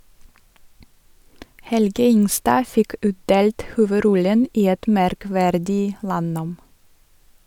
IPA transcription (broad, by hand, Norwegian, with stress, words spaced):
ˈhɛlɡə ˈɪŋˌstɑː ˈfɪk ˈʉːtˌdeːlt ˌhuːʋəˈɾɔlən ˈiː ˈɛt mæɾˈkʋæɾdɪ ˈlɑˌnoːm